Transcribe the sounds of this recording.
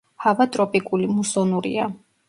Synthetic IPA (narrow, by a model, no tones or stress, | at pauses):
havat̪ʼɾɔpʼikʼulimusɔnuɾḭa̰